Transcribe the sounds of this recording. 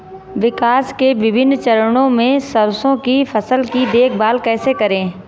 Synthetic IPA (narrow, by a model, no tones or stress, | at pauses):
ʋɪkaːskeʋɪbʱɪnːt͡ʃɐɾəɽõmẽsəɾsõkifɐsəlkid̪eːkʰbaːlkɛːsekɐɾẽː